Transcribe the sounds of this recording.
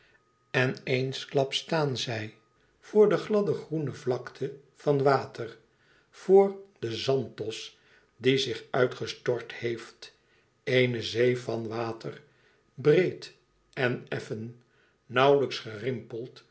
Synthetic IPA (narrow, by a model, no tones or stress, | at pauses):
ɛnejnsklɑpstaːnzɛj | v̥ʊːɹdəχlɑdəχrunəvlɑktʰə | v̥ɑnʋaːtər | v̥oːrd̥əzɑntɔs | dizɪχœɥtχəstɔɹthejft | ejnəzejfɑnʋaːtər | brejt | ɛnɛfənː | ɑwləksχərɪmpəlˠt